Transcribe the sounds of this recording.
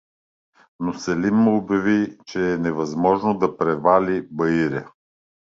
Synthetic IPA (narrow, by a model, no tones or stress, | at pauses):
nosɛlimːəobʲjɐvit͡ʃɛːnɛvɐzmɔʒnod̪ɐpɾɛvalʲibɐiɾʲə